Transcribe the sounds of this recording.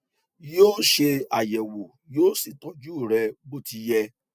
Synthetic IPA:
joː˦ʃe˧a˨jɛ˨wo˨ | joː˦si˨tɔ˨˧d͡ʒu˦˨ɾɛ˧ɡ͡bo˦ti˧jɛ˧

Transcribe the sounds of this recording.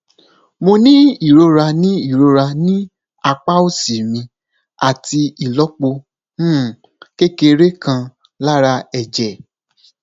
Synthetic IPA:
mo˧nĩ˦i˦˨ɾo˧ɾa˧nĩ˦i˦˨ɾo˧ɾa˧nĩ˦ | a˧k͡pa˦o˦˨si˨mĩ˧ | a˦˨ti˧i˨lɔ˨˦k͡põ˧˦˨ | ke˦ke˧ɾe˦kã˧ | la˦ɾa˧ɛ˨d͡ʒɛ˨

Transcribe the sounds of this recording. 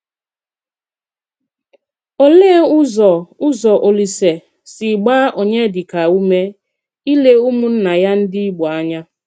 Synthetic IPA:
o˨le˦ʊ˦zɔ˨ʊ˦zɔ˨ʔo˨li˨se˨ | sɪ˨ɡ͡baː˦ʔo˨ɲe˦dɪ˨ka˨u˦me˦ | i˦le˦u˦mu˦n̩˦na˨ja˦n̩˦dɪ˦i˦ɡ͡bɔ˨a˦ɲa˦

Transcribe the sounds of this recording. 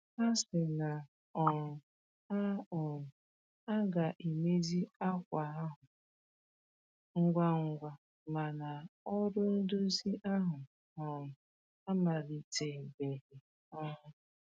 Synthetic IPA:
a˦sɪ˨na˨ | ɔ˨ɾʊ˨ | a˦ɔ˨ɾʊ˨ | a˦ɡa˨ʔi˨me˦zi˦a˦kʷa˨a˦ɦʊ˨ | ŋ̩˨ɡʷa˨ŋ̩˨ɡʷa˨ | ma˨na˨ɔ˦ɾʊ˦n̩˦dʊ˦zi˦ʔa˦ɦʊ˨ | ɔ˨ɾʊ˨ | a˦ma˨ɾi˨te˨be˨ɦi˨ | ɔ˦ɦʊ˦

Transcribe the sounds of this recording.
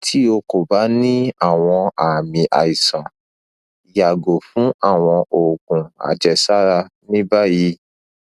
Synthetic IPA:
tʰi˦o˧ko˨ba˨˦nĩ˦a˦˨w̃ɔ̃˧a˨mĩ˨ʔa̰˨i˨sã˨ | i˨ja˨ɡo˨fũ˨˦a˦˨w̃ɔ̃˧ʔo˨kũ˨a̰˨d͡ʒɛ˨sa˦ɾa˧nĩ˦ba˦ji˧˦

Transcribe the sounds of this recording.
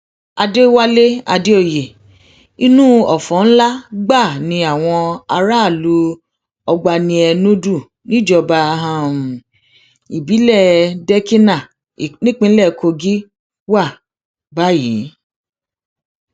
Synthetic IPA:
a˧de˦wa˦le˦a˧de˦o˦˨je˨ | i˦nũ˦ɔ˨fɔ̃˨˦n̩˦la˦ɡ͡ba˦˨nĩ˧a˦˨w̃ɔ̃˧a˧ɾa˦˨lu˧˦ | ɔ˧ɡ͡ba˧nĩ˧ɛ˧nũ˦du˦˨ | nĩ˦d͡ʒɔ˧ba˧ɦã˦˧˨m̩˨ | i˨bi˨˦lɛ˦˨dɛ˦ki˦nã˦˨ | nĩ˦k͡pĩ˧˦lɛ˦˨kʰo˧ɡi˦ | wa˦˨ | ba˦ji˨˦

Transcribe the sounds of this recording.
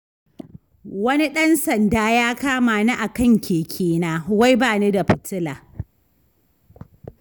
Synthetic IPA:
wɐ˦ni˦ɗɐ˦nsɐ˨ndaː˦jaː˦kaː˦maː˨na˦ʔa˨kɐ˦˨ŋkʲʰeː˨kʲʰeː˦naː˦wa˦jbaː˦˨ne˦da˨ɸɪ˨tɪ˦laː˨

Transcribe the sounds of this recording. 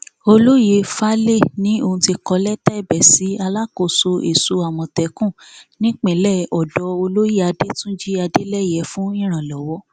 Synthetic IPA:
o˧lo˦je˧fa˦le˦˨nĩ˨˦o˧hũ˧ti˧kɔ˧lɛ˦tɛ˦i˦˨bɛ˨si˨˦a˧la˦ko˨so˧ḛ˨so˧a˨wɔ̃˨tɛ˨˦kũ˦˨ | nĩ˦k͡pẽ˨lɛ˦˨ɔ˨dɔ˨˦o˧lo˦ji˦a˧de˦tũ˦d͡ʒi˦a˧de˦lɛ˦jɛ˨˦fũ˦ĩ˦˨ɾ̃ã˨lɔ˨wɔ˨˦

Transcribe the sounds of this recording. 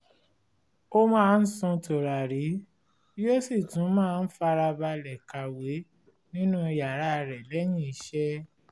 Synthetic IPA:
o˦mãː˦˧n̩˦sũ˧to˨ɾa˨ɾi˨˦ | jo˦si˦˨tũ˨˦mãː˦˧n̩˦fa˧ɾa˧ba˧lɛ˨ka˨we˨˦ | nĩ˦nũ˦i˧ja˨ɾa˨˦˧ɾɛ˨lɛ˨˦j̃ĩ˦˨i˨˦ʃɛ˦

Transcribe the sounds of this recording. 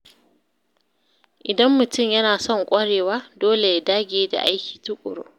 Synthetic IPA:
ʔɪ˨dɐ˦mːʊ˨tʊ˦˨mjɐ˦naː˨sɔ˦˨ŋkʷʼɐ˦ɽeː˨waː˦doː˦le˨ja˦daː˦ɡʲeː˦da̰˨ʔa˦jkʲi̥ː˨tʊ˦kʷʼʊ̰˨ɾo̰ː˦

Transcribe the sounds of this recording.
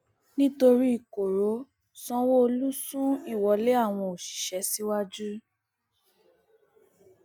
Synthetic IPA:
nĩ˦to˧ɾi˦i˨ko˨ɾo˨˦ | sɔ̃˧wo˦o˧lu˦sũ˦i˦˨wɔ˨˦le˦a˦˨w̃ɔ̃˧o˨ʃi̥˨ʃɛ˨˦si˦wa˦d͡ʒu˦

